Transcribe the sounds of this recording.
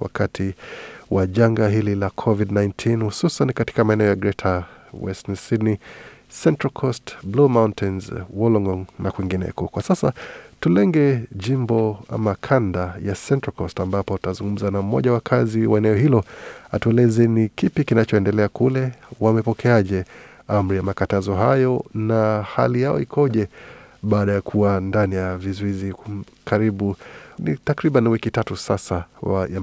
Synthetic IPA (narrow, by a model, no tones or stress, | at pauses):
wa̰kʰatʰiwaʄaŋɡaɦililakʰɔvidnajntʰinhususankati̥kamaɛnɛɔjaɡɾɛtʰawɛ̰snsidnisɛntɹakʰɔstblumauntʰɛnzwɔlɔŋɡɔnnakwiŋɡinɛ̰kɔkwasasa̰tulɛŋɡɛʄimbɔa̰makʰandajasɛntɹakʰɔstambapɔutazuŋɡum̩zanaumɔ̰ʄawakʰaziwaɛnɛɔɦilɔatuɛlɛzɛnikipikinat͡ʃɔɛndɛlɛakulɛwamɛpɔkʰɛaʄɛ | am̩ɾijamakatazɔɦajɔnaha̰lijaɔ̰ikʰɔʄɛɓaːɗajakʰuwandanijavizɔizikʰaɾiɓunḭtakɾiɓaniwikitatusasawaja